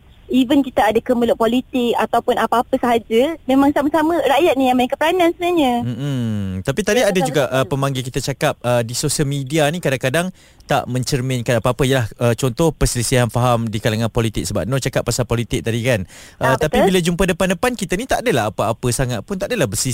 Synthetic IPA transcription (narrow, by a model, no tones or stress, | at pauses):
ivənkit̪aadakəməlʊʔ̚polit̪ɪk̚at̪awpʊnapaːpəsaɦad͡ʒəmẽmaŋsamasaməɾajat̪̚nijaŋmənaŋkəpɾanansənaɲə̃m̩m̩t̪apit̪adiadad͡ʒuɡaʔəpəmaŋɡilk̬it̪at͡ʃakap̚ədisosəlmidianĩkadaŋkadaŋ | t̪a̰ʔmə̃ɲt͡ʃərmɛ̃nkanapaapəijəlahət͡ʃɔnt̪ɔhpəsəlisiɦanfaɦamdikalaŋãnpɔlit̪ɪk̚səba̰p̚not͡ʃakapːasalpolit̪ɪk̚t̪adikanʔət̪ap̪ibilad͡ʒumpadəpandəpankit̪anit̪aʔadalaɦapaapəsaŋat̪̚pʊnt̪aʔadalahbəsi